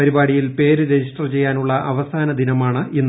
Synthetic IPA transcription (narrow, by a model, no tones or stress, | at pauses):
ɐɾibaːɽijilpe̞ːɾɨɾed͡ʑiʂʈɐrt͡ɕe̞jːaːnuɭːɐʔɐʋɐsaːnɐd̪inɐmaːɳɨʔenː